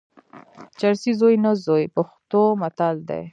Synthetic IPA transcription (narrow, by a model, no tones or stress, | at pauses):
t͡ʃaɾsizojnazojpaxt̪omat̪ald̪ḛj